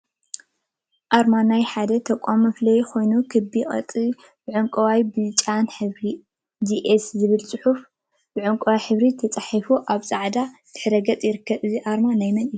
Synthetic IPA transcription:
ʔaɾmanajħad̪ɐt̪ʰɐkʷʼamɐflɐjkʰo̞jnukʰɨbːiχʼɐ̰t̪ʼi | b̥ɨʕuŋkʼɐwajbɨzt͡ʃʼanħɨβɾi | d̪iʔeszɨβɨlt͡sʼɨħuf | b̥ɨʕuŋkʼɐwajħɨβɾit̪ʰɐt͡sʼaħifuʔaβsʼaʕd̪at̪ʰɨ̥ħɾɐɡɐt͡sʼjɪɾɨkːɐβɨziʔaɾmanajmɐlʼiu

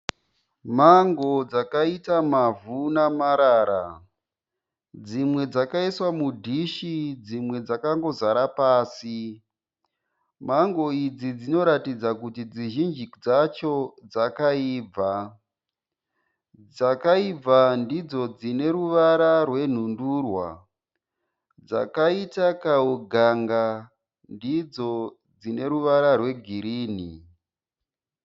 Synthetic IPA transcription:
maŋɡo̞d͡zakaitamavunamaɾaːɾa̰ | d͡zimwe̞d͡zakaiswamudʱiʃid͡zimwe̞d͡zakaŋɡo̞zaɾapaːsi | maŋɡo̞id͡zid͡zino̞ɾatid͡zakutid͡ziʒind͡ʒid͡zat͡ʃo̞d͡zakaiːb͡va | d͡zakaib͡vandid͡zo̞d͡zine̞ɾuʋaɾarwe̞n̤undurwa | d͡za̰kaitakauɡʱaŋɡa | ndid͡zo̞ | d͡zine̞ɾuʋaɾarwe̞ɡʱiɾiːni

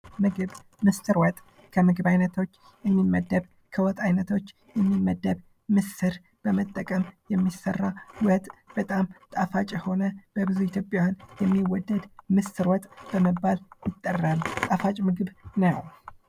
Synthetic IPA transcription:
mɨɡɨβ | mɨst̪ɨɾwɔt̪ʼ | kʰəmɨɡɨbajnət̪ʰo̞t͡ʃː | jɛmːimːəd̪ːəβ | kʰəwɔt̪ʼajnət̪ʰo̞t͡ʃː | jɛmːimːəd̪ːəb | mɨsɨɾ | b̥əmət̪ʼːəkʼəmjɛmːisərːawət̪ʼb̥ət̪ʼamt̪ʼafat͡ʃʼɛho̞nəb̥əbɨzuit̪ʰjo̞pʼjawjanjɛmːiwɔd̪ːəd̪mɨst̪ɨɾwɔt̪ʼb̥əməbːaljɪt̪ʼːərːəmt̪ʼafat͡ʃʼmɨɡɨβnəw

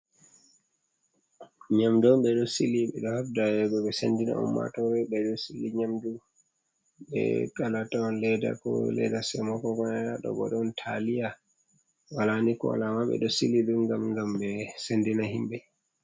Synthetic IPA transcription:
ɲamdɔmɓɛɗɔsiliɓɛ̰ɗɔhafdajɛɡɔɓɛsḛndina̰ṵnmːa̰tɔɾɛɓɛɗɔsilːiɲamdu | ɓɛ̰kalatɔnlɛda̰kɔ̰lɛ̰dasɛmɔkɔɡanadaɗɔ̰ɓɔ̰ɗɔntʰalija | walanikɔ̰wa̰lamaɓɛ̰ɗɔsiliɗumɡamɡamɓɛsendinaɦimɓɛ

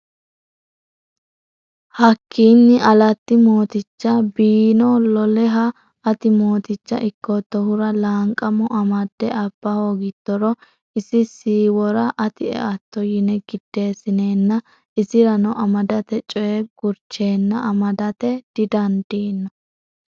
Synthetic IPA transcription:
hɐkʰːiːnːɪʔɐlɐt̪ːɪmo̞ːt̪ɪt͡ʃːɐbiːnɔlɔlɛɦɐː | t̪ɪmo̞ːt̪ɪt͡ʃːɐ̰ʔɪkːɔt̪ːɔhʊɾɐlaːŋkʼːɐmɔʔɐmɐd̪ːɛʔɐb̥ːɐho̞ːɡɪd̪̥ːɔɾɔ | ɪsɪsiːwɔɾɐʔɐt̪ɪɛ̰ɐt̪ːɔjɪnɛɡɪd̪̥ːe̞ːsɪne̞ːnːɐ | ɪsɪɾɐnɔʔɐmɐd̪ɐt̪ɛt͡ʃʼɔjɛɡ̥ʊɾt͡ʃːe̞ːnːɐʔɐmɐd̪ɐt̪ɛd̪̥ɪd̪ɐnd̪̥iːnːɔ

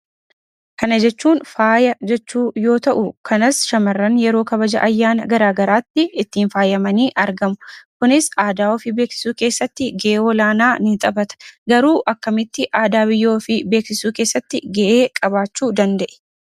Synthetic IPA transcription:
kɐnɐd͡ʒɛt͡ʃːuːnfaːjɐd͡ʒɛt͡ʃːuːjo̞ːt̪ɐʔʊkʰɐnɐsʃɐmɐrːɐnjɛɾo̞ːkɐbɐd͡ʒɐ̰ʔɐjːaːnɐɡɐɾaːɡɐɾaːt̪ːɪɪt̪ːiːnfaːjɐmɐniːʔɐɾɡɐmʊkʊnɪsaːd̪aːɔfɪbe̞ːksɪ̥suːke̞ːsːɐt̪ːɪɡeʔeːɔlaːnaːnɪt̪ʼɐbɐt̪ɐ̥ɡɐɾuːʔɐkːɐmɪt̪ːɪʔaːd̪aːbɪjːo̞ːfɪbe̞ːksɪsuːke̞ːsːɐt̪ːɪɡɛʔeːkʼɐbaːt͡ʃːuːd̪ɐnd̪ɐʔɛ̥

